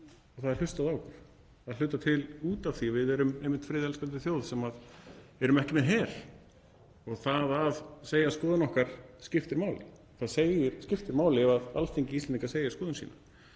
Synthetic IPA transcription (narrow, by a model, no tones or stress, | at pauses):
ɔɣθaðɛ̥ɾl̥ʏst̪aðaːwkʏɾ̥ | θaðlʏːt̪at̪ʰɪluːt̪av̥θiɔvɪðɛɾʏmejmːɪnt̪fɾɪːðɛlspant̪ɪθjoːwðsɛmaðɛɾʏmɛhcɪmɛɦɛɾ̥ | ɔɣθaðaðseːjaskɔːðʏnɔhkaɾ̥scɪft̪ɪɾmaːwlɪ̰ | θaðseːjɪɾscɪft̪ɪɾmaːwlɪvaða̰lst̪ʰeɲcɪist̪lɛniŋkaseːjaskɔːðʏnsḭːna